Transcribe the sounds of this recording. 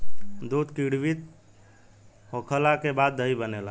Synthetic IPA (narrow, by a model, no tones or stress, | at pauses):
d̪ud̪kiɽʋit̪ | ɦokʰəlakebad̪̚ːʱəibənela